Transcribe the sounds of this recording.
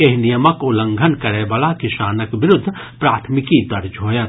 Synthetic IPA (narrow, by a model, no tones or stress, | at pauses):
eɦnijəməkʊlə̃ŋɡʱənkɐɾeʋaːlakɪʃaːnəkʋɪɾʊd̪ʱː | pɾaːt̪ʰmɪkid̪ɐɾd͡ʒɦoːjə